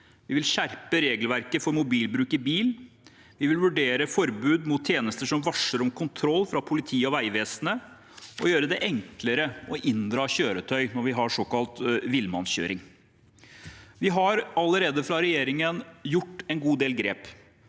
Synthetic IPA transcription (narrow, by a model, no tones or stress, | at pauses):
ʋɪʋɪlɕæɾpəɾeːɡəlʋæɾkəfɔɾmʊbiːlbɾʉːkɪbiːl | ʋɪʋɪlʋʉɖeːɾəfɔɾbʉːd̪mʊːt̪ʰːjeːnəst̪əʂɔmʋɑʂəɾɔmkʰʊnt̪ʰɾɔlːfɾɑpʰʊlɪt̪ʰiːɔʋæɪʋeːsənə | ʔɔjøːɾəd̪ɛʔɛŋkləɾəɔʔɪnd̪ɾɑːɕøːɾət̪ʰœʏnɔɾʋɪɦɑɾʂɔkɑlt̪ʋɪlmɑnɕø̰ːɾɪŋ | ʋɪɦɑɾɑləɾeːd̪əfɾɑɾɛjeːɾɪŋənjʊʈːɛnɡuːd̪eːlɡɾḛːp